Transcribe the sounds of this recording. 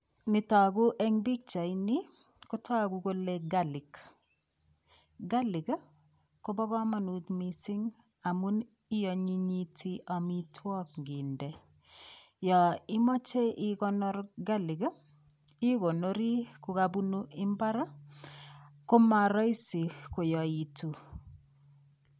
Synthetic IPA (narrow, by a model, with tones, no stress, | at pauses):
nɪ˨ta˨ɡu˦ʔɛ˦ŋbi˦k̚t͡ʃa˨ini˦ | ko˦tʰa˦kuko˦leɡalɪ˨k | ɡa˦lɪ˨ɡ | ko˦bɔ˦ɣɔ˦ma˨nutmisi˦ŋa˨mu˦n | i˦jɔ˨ɲi˦ɲitʰi˦ʔa˨mi˦tʰwɔ˦k̚ŋɡi˨ndɛ˨ | jɔ˨i˦mɔ˦t͡ʃe˦ʔɪ˦kɔ˦nɔ˦rɡa˦lɪ˨ɡ | i˦ɡo˨no˦ɾi˦ku˨kabu˦nu˦ʔɪ˦mba˦ɾa˦ | ko˦ma˨ɾɔ˦i˦si˨ko˨jɔ˨i˨tu˨